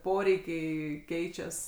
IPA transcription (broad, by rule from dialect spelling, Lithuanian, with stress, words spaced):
ˈpoːrʲɛɪkʲɛɪ ˈkʲɛɪt͡ʃʲɛs